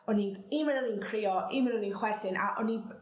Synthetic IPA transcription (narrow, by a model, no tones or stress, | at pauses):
ɔninimɪnɔninkʰrɪːɔʔimɪnɔninχwɛθɪnʔa̰ʔɔnib